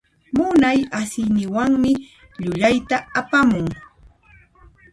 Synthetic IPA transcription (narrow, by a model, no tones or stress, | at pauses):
mʊnajasɪnɪwaŋmɪ | ʎʊʎajt̪aapamʊŋ